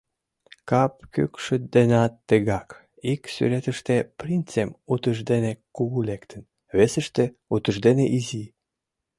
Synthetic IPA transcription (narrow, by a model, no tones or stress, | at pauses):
kɑpky̰kʃə̆d̪enɑt̪ːeɣɑk | iksy̰ɾet̪ə̆ʃt̪eprʲint͡semut̪əʒd̪enekuɣulekt̪ʰə̆n | βesə̆ʃt̪ĕut̪ə̆ʒd̪eneʔizi